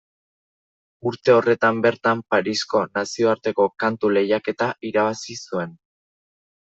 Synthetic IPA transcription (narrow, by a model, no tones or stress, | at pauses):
uɾt̪e̞o̞re̞t̪ambe̞ɾt̪ampaɾisko̞nasio̞aɾt̪e̞ko̞kant̪ule̞jake̞t̪aʔiɾaβasisue̞n